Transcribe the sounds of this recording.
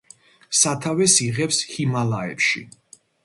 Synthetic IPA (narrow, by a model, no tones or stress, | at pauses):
sat̪ʰavɛsiʁɛpshimalaɛ̰pʃḭ